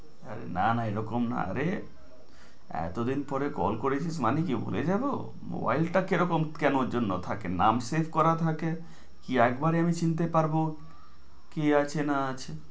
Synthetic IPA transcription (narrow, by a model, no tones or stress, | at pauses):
a̰ɾḛnanaeɾɔkomna̰a̰ɾe | ɛ̰t̪od̪inpɔɾekɔ̰lkoɾet͡ɕʰiʃmanikibo̰led͡ʑabo̰ | mo̰ba̰jlʈakeɾɔkomkɛnoɾd͡ʑonːot̪ʰakenamsepʰkɔɾat̪ʰake | kiɛkbaɾiamit͡ɕint̪̬epaɾbo | kiat͡ɕʰenaat͡ɕʰe